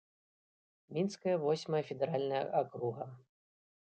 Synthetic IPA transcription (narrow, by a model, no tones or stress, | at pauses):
mʲinskɐjɐvɔsʲmɐjɐfʲɛd̪ɛɾalʲnɐjɐ̰ʔakɾuɣɐ